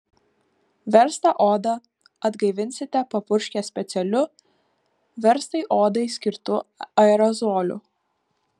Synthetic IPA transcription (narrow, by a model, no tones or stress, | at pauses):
ʋʲɛɾst̪ɐʔoːd̪ɐ | ɐd̪ɡɐɪʋʲɪnʲsʲɪt̪ʲɛpɐpʊɾʲʃʲkʲɛsʲpʲɛt̪sʲɛlʲʊ | ʋʲɛɾst̪ɐɪʔoːd̪ɐɪsʲkʲɪɾt̪ʊɐɛɾɔzoːlʲʊ̰